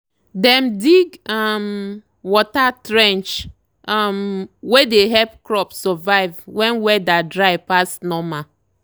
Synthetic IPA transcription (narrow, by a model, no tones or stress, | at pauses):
dɛmdiɡam | wɔtatɾɛ̃nt͡ʃ | amwedeɦɛpkɾɔpsɔvaɪvwɛ̃nwɛdadɾaɪpasnɔma